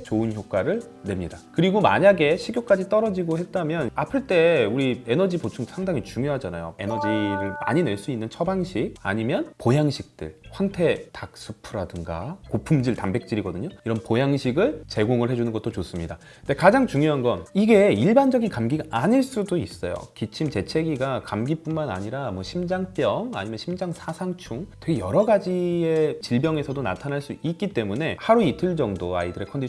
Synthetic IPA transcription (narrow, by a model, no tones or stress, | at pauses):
t͡ɕoɯnçjok̚k͈waɾɯɭ | ne̞mɲidakɯɾiɡoma̰ɲaɡe̞ɕʰiɡjok͈ad͡ʑit͈ʌɾʌd͡ʑiɡohe̞t̚t͈amjʌnapʰɯɭt͈e̞uɾienʌd͡ʑibot͡ɕʰuŋsʰaŋdaŋit͡ɕuŋjoɦad͡ʑana̰jo̰enʌd͡ʑiɾɯɭma̰ɲine̞ɭs͈uinːɯnt͡ɕʰʌbaŋɕʰiɡ̚a̰ɲimjʌnpojaŋɕʰik̚t͈ɯ̰ɭɸwaŋtʰe̞tak̚s͈ɯupʰɯɾadɯŋɡa̰kopʰumd͡ʑiɭtambe̞k̚t͡ɕ͈iɾiɡʌdɯɲoiɾʌnpojaŋɕʰiɡɯɭt͡ɕe̞ɡoŋɯɭhe̞d͡ʑunɯnɡʌt̚t͈ot͡ɕos͈ɯmɲida | nde̞kad͡ʑaŋt͡ɕuŋjoɦanɡʌniɡe̞iɭband͡ʑʌɡinkamɡiɡaaɲiɭs͈udois͈ʌjo̰kit͡ɕʰimt͡ɕe̞t͡ɕʰe̞ɡiɡakamɡip͈unmana̰ɲiɾamwʌɕʰimd͡ʑaŋp͈jʌŋa̰ɲimjʌnɕʰimd͡ʑaŋsʰasʰaŋt͡ɕʰuŋtʰeɡejʌɾʌɡad͡ʑiet͡ɕiɭbjʌŋe̞sʰʌdonatʰanɦaɭs͈uit̚k͈it͈e̞mune̞haɾuitʰɯɭd͡ʑʌŋdoa̰idɯɾe̞kʰʌndi